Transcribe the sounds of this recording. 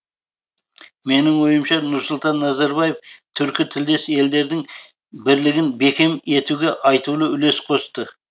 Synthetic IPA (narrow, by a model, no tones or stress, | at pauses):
me̞nɪŋwo̞jəmʃɑnʊɾsʊlˠt̪ɑnːɑzɑɾbɑjeft̪ʰʏɾkʲɪt̪ʰɪld̪e̞sɪe̞ld̪e̞ɾd̪ɪŋ | bɪɾlɪɡʲɪnbe̞kʲe̞me̞t̪uɡʲe̞ʔɑjt̪ulˠəʏle̞sqʰo̞st̪ə